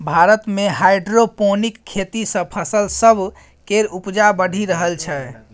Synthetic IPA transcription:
bʱaɾət̪meɦajɖɾoponikʰːet̪isə̃pʰəsəlsəbʱ | keɾupd͡ʒabəɽ̤ʱiɾəɦəlt͡ʃʰɛ

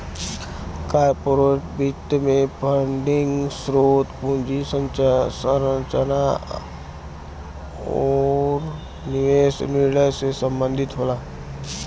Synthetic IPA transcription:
kaːɾpoɾoʈbit̪ːmẽpʰəɳɖɪŋɡsɾoːt̪pũnd͡ʒisə̃nsəɾə̃nt͡ʃəna | ɔːɾ | nɪʋeːsniɾɽəjsesə̃mbə̃nd̪ʱɪt̪ɦoːlaː

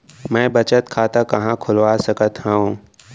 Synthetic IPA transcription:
mɛ̃ːbɐt͡ʃət̪kʰaːt̪akɐɦãkʰʊlʋaːsəkət̪ɦɛõ

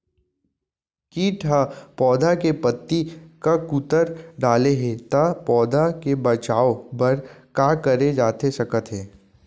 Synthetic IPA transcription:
kiːʈʰapɔːd̪ʱakepɐt̪ːikakut̪əɾɖaːleɦẽt̪apɔːd̪ʱakebɐt͡ʃaːobɐɾkaːkɐɾed͡ʒaːt̪esɐkət̪ɦeː

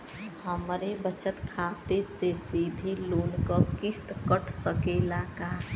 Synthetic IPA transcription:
həmɾebət͡ʃət̪kʰaːt̪esesid̪ʱiloːnkəpkɪst̪kəʈʰsəkeːlaka

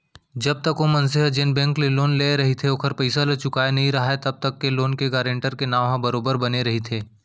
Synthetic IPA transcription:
d͡ʒɐb̚t̪ɐkomɐnsɪɦəd͡ʒenbɛ̃ːŋkleloːnleɾɐɦit̪ʰeokʰəɾpɐɪsalɐt͡ʃʊkaːenɐɦĩɾɐɦaet̪ɐb̚t̪ɐkːeloːnkeɡaːɾẽːɳʈəɾkenaːʋɦãbɐɾoːbəɾbɐneɾɐɦit̪ʰeː

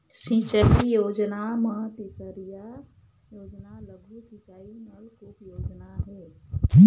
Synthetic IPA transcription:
sĩt͡ʃaɦijoːd͡ʒnaməɦət̪isəɾija | joːd͡ʒnaləɡʱusĩt͡ʃaːinəlkupjoːd͡ʒnaɦɛ

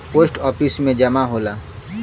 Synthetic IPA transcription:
posʈɔpʰismẽd͡ʒəmaɦola

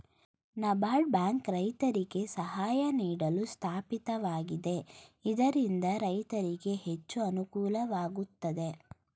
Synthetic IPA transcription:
nɐbaːɖ̚baːŋkɾɐjt̪ɐɾiɡe̞sɐɦaːjɐniːɽɐlust̪ʰaːpit̪ɐʋaːɡid̪e̞id̪ɐɾind̪ɐɾɐjt̪ɐɾiɡe̞ɦe̞t͡ʃːuɐnukuːlɐʋaːɡut̪ːɐd̪e̞

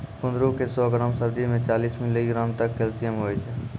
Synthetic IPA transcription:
pʊnd̪ɾukesɔɡɾəmsəbd͡ʒimẽt͡ʃaːliːsminləiɡɾamt̪əkːelsijəmɦoːjt͡ʃʰɛ

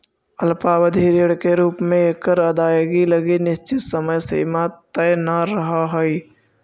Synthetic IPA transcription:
əlpaːwəd̪ʱiːɾəɽkeɾuːpmẽekəɾəd̪aːeɡiləɡinɪst͡ʃɪt̪səməjsḛmat̪ɛjnaɾəɦaɦoi

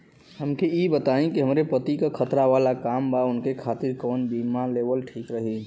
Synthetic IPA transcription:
həmkeibət̪aːẽkiɦəmɾepət̪ikakʰət̪ɾaʋaːlakaːmbaʊnkekʰaːt̪iɾkɔːnbimaleːʋəlʈʰiːkɾəɦi

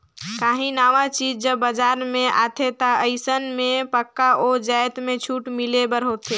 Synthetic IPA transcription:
kaːɦĩnaːʋat͡ʃiːd͡ʒd͡ʒəbːəd͡ʒaːɾmẽʔa̰ːt̪ʰet̪aəɪsənmẽpəkːaʔoːd͡ʒaːjt̪mẽt͡ʃʰuːʈmilebəɾɦot̪eː

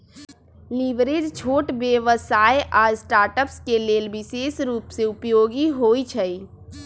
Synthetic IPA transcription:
liʋɾeːd͡ʒt͡ʃʰoːʈbjeʋəsaːeʔaːɾsʈaːɾʈəpskeleːlbɪseːsɾuːpseʊpjoːɡiɦoːit͡ʃʰəi

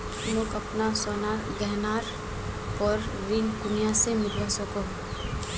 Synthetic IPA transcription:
mʊkɐpnasɔːnaɡɛɦnaːɾ | pɔɾʋɪŋkʊnijãsemɪlasɐko

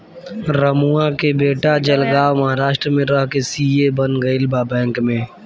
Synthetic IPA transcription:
ɾəmuakebeːʈad͡ʒəlɡaːwmɐɦaːɾaːʃʈɾəmẽɾəɦkesiːebənɡəɪlbaːbɛ̃ːŋkmẽː

